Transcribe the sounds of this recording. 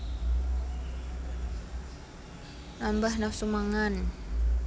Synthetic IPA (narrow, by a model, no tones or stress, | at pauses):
nambahnafsumaŋan